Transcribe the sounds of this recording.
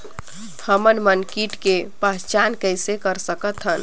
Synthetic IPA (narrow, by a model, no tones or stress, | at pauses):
həmənmənkiʈkepast͡ʃankəjsekəɾsəkət̪ɦən